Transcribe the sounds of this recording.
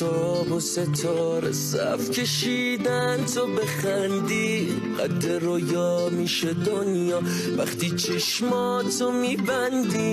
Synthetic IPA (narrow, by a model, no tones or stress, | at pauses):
ɔbose̞t̪ʰɒɾḛsæ̰fcʰʲe̞ʃiː | d̪ænt̪ʰo̞be̞χænd̪i | ɢæ̰d̪ːeɾojɒːmiːʃe̞d̪onjɒː | væχt̪ʰiːt͡ʃʰeʃmɒ | t̪ʰomiːbænd̪i